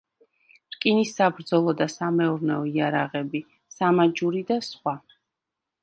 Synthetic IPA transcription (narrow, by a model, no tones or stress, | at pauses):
ɾkʼinisabɾd̪zɔlˠɔd̪asamɛuɾnɛɔiaɾaʁɛbi | samad͡ʒuɾid̪asχwa